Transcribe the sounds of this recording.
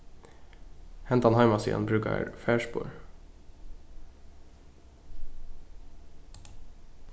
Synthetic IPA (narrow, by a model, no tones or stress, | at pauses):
hɛnt̪ɑnhɑɪmɑsḭːə̰nbɾʉːkə̰ɾfæːʃpṵːɹ